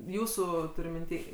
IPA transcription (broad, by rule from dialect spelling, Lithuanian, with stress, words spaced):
ˈjuːsʊ tʊˈrʲʊ mʲɪnʲˈtʲiː